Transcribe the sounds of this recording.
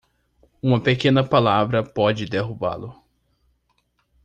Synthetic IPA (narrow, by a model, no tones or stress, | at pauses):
ũmɐpekẽnɐpalavɾɐpɔd͡ʒɪd̪eɦuba̰lʊ